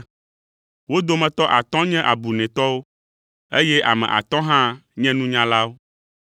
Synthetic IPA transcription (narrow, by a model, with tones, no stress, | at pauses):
wo˦d̪o˦mɛ̃˨t̪ɔ˦ʔa˨t̪ɔ̃˦ɲɛ̃˦ʔa˨bu˨nɛ̃˨t̪ɔ˦wo˦ | e˦jɛ˦ʔa˨mɛ̰̃˨ʔa̰˨t̪ɔ̃˦ɦã˦ɲɛ̃˦nũ˦ɲã˦la˦wo˦